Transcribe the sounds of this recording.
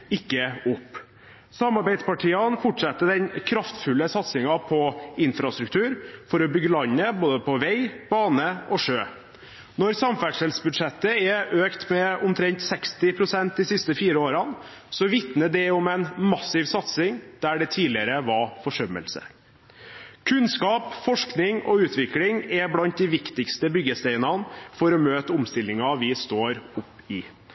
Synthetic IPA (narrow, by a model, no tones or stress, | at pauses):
ɪkːəʊpː | sɑmɑɾbæɪd̪spɑʈʰiːɑnfɔʈʂɛt̪ːəd̪ɛnkʰɾɑft̪fʉlːəsɑt̪sɪŋɑpʰɔɪnfɾɑst̪ɾʉk̚t̪ʰʉːɾfɔɾɔbʏɡːəlɑɲːəboːd̪əpʰɔʋæɪb̥ɑːnəɔʂøː | nɔɾsɑmfæʂɛlsbʉd̪ʂɛt̪ːəɛʔøːkt̪mɛʊmt̪ʰɾɛŋt̪sɛkst̪ɪpʰɾʊsɛnt̪̚d̪ɪsɪst̪əfiːɾəoːɾɑn | sɔʋɪt̪nəd̪ɛɔmɛɪnmɑsɪʋsɑt̪sɪŋd̪̥æɖɛt̪ʰiːlɪəɾəʋɑfɔʂœmə̰lsə̰ | kʰʉnskɑːpfɔʂknɪŋɔ̰ʉːt̪ʋɪklɪŋɛblɑnt̪̚d̪ɪʋɪkt̪ɪkst̪əbʏɡəst̪eɪnɑnfɔɾɔmøːt̪əʊmst̪ɪlːɪŋɑʋɪst̪oːɾʊpːɪ